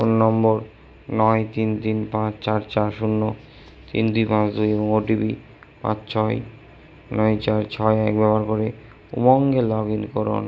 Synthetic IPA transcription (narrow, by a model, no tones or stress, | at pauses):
onnɔmboɾ | nɔjt̪int̪inpãt͡ɕt͡ɕaɾt͡ɕaɾʃunːo | t̪ḭnd̪uipãt͡ɕd̪ujeboŋoʈibi | pã̰t͡ɕt͡ɕʰɔj | nɔjt͡ɕaɾt͡ɕʰɔeɛkbɛpaɾkoɾe | ṵmɔŋɡelɔɡinkoɾo̰n